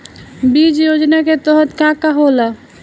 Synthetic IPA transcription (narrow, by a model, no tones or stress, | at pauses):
bid͡ʒjod͡ʒnaket̪ɔɦɔt̪kãkaɦola